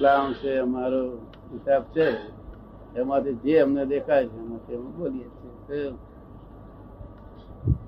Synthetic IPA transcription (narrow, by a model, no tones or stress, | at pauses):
lãt͡ʃʰeɦəmaɾo | kisabt͡ʃʰe | emãt̪ʰed͡ʒeɦəmned̪ekʰat͡ʃʰeɦəmãt̪ʰemboːlijet͡ʃʰese